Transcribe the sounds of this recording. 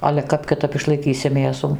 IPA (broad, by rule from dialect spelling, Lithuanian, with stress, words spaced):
ɐlʲɛ ˈkɐp kʲɪˈtɐp ɪʃlˠɐɪˈkʲiːsʲɪ ˈmʲeːsuː